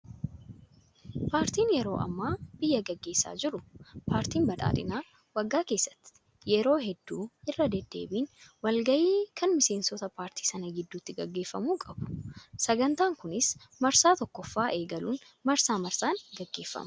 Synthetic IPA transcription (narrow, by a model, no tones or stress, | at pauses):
paːɾt̪iːnjɛɾo̞ːʔɐ̰mːaːb̥ɪjːɐɡɐɡːe̞ːsːa̰ːd͡ʒɪɾʊpaːɾt̪iːnbɐᶑ̪ʼa̰ːᶑ̪ɪ̰naː | wɐɡːaːke̞ːsːɐ̥t̪ːɪ̥ | jɛɾo̞ːɦɛd̪ːuːʔɪrːɐd̪ɛd̪ːe̞̰ːbiːnwɐlɡɐʔiːkʰɐnmɪse̞ːnsɔt̪ɐpaːɾt̪i̥ːsɐnɐɡɪd̪ːuːt̪ːɪɡɐɡːe̞ːfːɐmuːkʼɐbʊ̥sɐɡɐnt̪aːŋkʊnɪsmɐɾsaːt̪ɔkːɔfːaːʔe̞ːɡɐluːn | mɐɾsaːmɐɾsaːŋɡɐɡːe̞ːfːɐ̰mɐ